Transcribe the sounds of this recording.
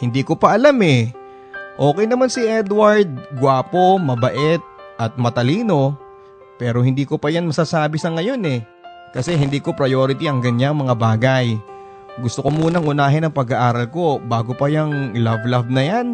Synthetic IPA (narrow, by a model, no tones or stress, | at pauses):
hɪnd̪iːko̞pɐʔɐlamɛ | ʔo̞ːkɛjnɐmansɪʔɛd̪wɐɹd̪̚ɡwaːpo̞mɐbɐʔɛt̪̚ | ʔɐt̪̚mɐt̪ɐliːno̞ | pɛːɾo̞hɪnd̪iːko̞pɐjanmɐsasaːbɪsɐŋɐjo̞nɛ | kɐsɛɦɪnd̪iːko̞pɾɐjo̞ːɾɪt̪iʔɐŋɡɐɲaŋmɐŋabaːɡaj | ɡʊst̪oko̞muːnɐŋʔʊnaːɦɪnɐŋpɐɡaʔaːɾɐlko̞baːɡo̞pɐjɐŋlavlavnɐjan